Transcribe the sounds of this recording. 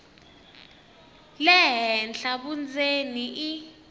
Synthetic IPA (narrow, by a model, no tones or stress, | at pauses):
lɛɦɛnɬaɓund͡zeniʔi